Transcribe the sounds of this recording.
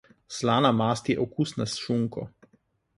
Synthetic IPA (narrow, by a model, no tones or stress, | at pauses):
slaːnamaːst̪jɛʔɔkusnasʃuŋkɔ̰